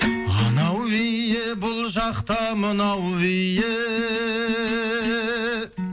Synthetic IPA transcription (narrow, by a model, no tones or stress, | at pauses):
ɑ̰nɑwejjɪbʊlˠʒɑqt̪ɑmənɑwwɪjɪ